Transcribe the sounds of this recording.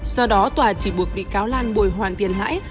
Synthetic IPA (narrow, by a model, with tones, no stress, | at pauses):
sɔ˧ɗɔ˨˦t̪waː˨˩t͡ɕi˧˩ɓu˨˩ək̚ɓḭ˧˨kaː˨˦wlaː˧nɓu˧˩jɦwaː˨˩nt̪i˨˩ənɦa̰ː˧˥j